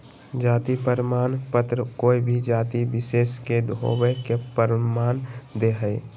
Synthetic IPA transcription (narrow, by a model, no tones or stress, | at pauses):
d͡ʒaːt̪ipəɾmaːnpət̪ɾəkoːibʱid͡ʒaːt̪ibɪseːsked̪ʱo̰ːwekepəɾmaːnd̪eɦəi